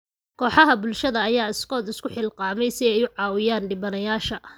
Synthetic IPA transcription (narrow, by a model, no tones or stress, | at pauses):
kʰɔːħɑɦɐbʊlʃɐðɐːjaːɪskʰɔːd̪ɪskʰʊħɪlqɑːmɛjsɪɛjʊʕɑːwɪjaːnɖɪbɐnɐjaːʃɐ